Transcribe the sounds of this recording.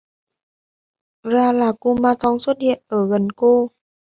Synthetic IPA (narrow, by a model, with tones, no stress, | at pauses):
ɾaː˧laː˧˩ku˧maː˧t̪ɔ˧ŋso˦˥t̚i˧˩ə˨ə˨˩ɣə˧˨nko˧